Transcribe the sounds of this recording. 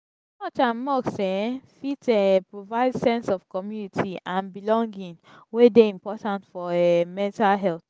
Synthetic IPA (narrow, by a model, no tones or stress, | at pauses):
mɔt͡ʃãnmɔksɛ̃fitɛpɹovaɪdsɛ̃nsɔfkɔmjunitʰiãnbilɔ̃ŋɡĩn | wedeĩmpɔtãntfɔɛmɛ̃ntalɦɛlθ